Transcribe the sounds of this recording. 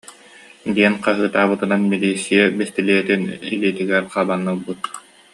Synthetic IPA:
d̪iɛnqaɦɯːt̪aːbɯt̪ɯnanmiliːsːijɛbist̪iliɛt̪iniliːt̪iɡɛɾqaːbanːɯlˠbut̪̚

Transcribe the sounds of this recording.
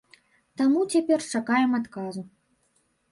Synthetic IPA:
t̪amut͡sʲapʲɛrt͡ʂakajɛmat̪kazu

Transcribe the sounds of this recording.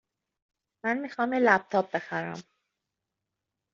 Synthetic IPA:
mænmixɒːmjelæp̚t̪ʰɒːp̚be̞xæɾæ̰m

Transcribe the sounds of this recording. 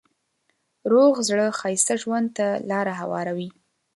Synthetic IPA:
ɾoɣzɽəxɑjst̪aʒwand̪̚t̪alɑɾaɦawɑ̰ɾawi

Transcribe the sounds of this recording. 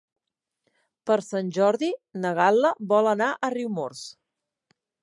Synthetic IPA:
pəɾsanʲʒɔɾðinəɣ̞alˠːəβɔlənaʔəriwmoɾs

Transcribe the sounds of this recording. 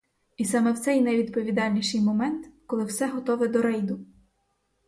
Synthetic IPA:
isɑmɛwt̪sɛjnɐʋʲid̪pɔʋʲid̪ɑlʲnʲiʃɪjmɔmɛnt̪kɔlˠɪwsɛɦɔt̪ɔʋɪd̪ɔɾɛjd̪ʊ

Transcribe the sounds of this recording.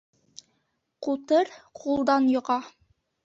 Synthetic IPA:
qut̪ɤɾqʰulˠd̪ɑnjŏʁɑ

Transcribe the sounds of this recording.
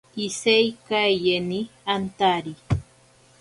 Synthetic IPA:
isejkajeniant̪aɾi

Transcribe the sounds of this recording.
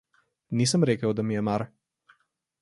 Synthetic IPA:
nisəmɾeːkəwd̪amijɛmaɾ

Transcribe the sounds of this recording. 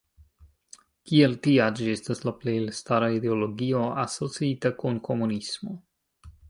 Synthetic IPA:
kieltiad͡ʒiestaslaplejlstaɾaideolo̞ɡio̞aso̞t͡siitakunkʰo̞munismo

